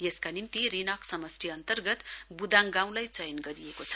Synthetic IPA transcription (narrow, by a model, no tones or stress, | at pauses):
jeskanimt̪irinʌksʌmʌsʈʰiʌnt̪ʌrɡʌt̪bud̪aŋɡãw̃lajt͡sʌjʌnɡʌɾijekot͡sʰʌ̥